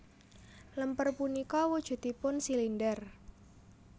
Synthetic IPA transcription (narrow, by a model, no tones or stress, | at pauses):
ləmpərpunikɔwud̥ʒ̥ṳt̪ipʊnsilindər